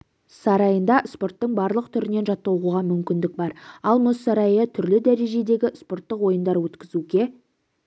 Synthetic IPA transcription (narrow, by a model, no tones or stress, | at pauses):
sɑɾɑjənd̪ɑʔspo̞rt̪ːəɴbɑɾlˠəqt̪ʰʏɾɪne̞nʒɑt̪ːɑwʁuʁɑmʏmkʲɪnd̪ɪk̚bɑɾɑlˠmʊsːɑɾɑjət̪ʰʏɾlɪd̪æɾe̞ʒe̞d̪e̞ɡʲɪspo̞rt̪ːəqwo̞jənd̪ɑɾwɵt̪kʲɪzuɡʲe̞